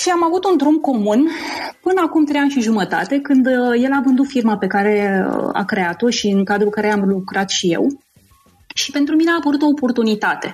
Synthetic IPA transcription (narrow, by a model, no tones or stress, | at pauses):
ʃiamavut̪und̪ɾumko̞munpɨnəakumt̪ɾejanʃiʒumət̪a̰t̪e̞kɨnd̪je̞lavɨnd̪ut̪firmape̞kaɾe̞a̰kɾe̞at̪o̞ʃiɨŋkad̪ɾulkaɾe̞amlukɾat̪ʃije̞̰w | ʃi̥pe̞nt̪ɾumineaːpəɾut̪o̞ːpo̞rt̪unit̪at̪e̞